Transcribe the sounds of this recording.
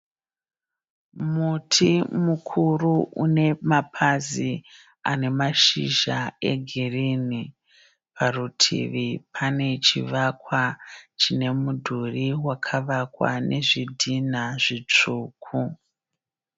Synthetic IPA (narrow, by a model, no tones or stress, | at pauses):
mutʰimukʰuruune̞mapʰazi | a̰ne̞maʃḭʒaḛɡʱirini | pʰarutʰḭʋipʰane̞t͡ʃiʋakwat͡ʃine̞mudʱuriwakʰaʋakwa̰nʔe̞ʐidʱinaʐit͡ʂuːkʰu